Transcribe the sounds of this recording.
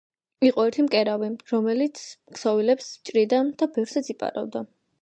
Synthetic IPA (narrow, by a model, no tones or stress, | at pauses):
iqʼɔɛɾt̪ʰimkʼɛɾaviɾɔmɛlit̪sʰksɔvilɛpst͡ʃʼɾid̪and̪̥abɛfɾsat̪sʰipʼa̰ɾa̰vd̪a